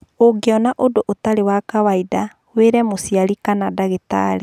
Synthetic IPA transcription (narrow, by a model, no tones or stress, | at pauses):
oɡeɔnaʔodoʔotaɾewakawaida | weɾɛmosiaɾikanadaɣeta̰ɾe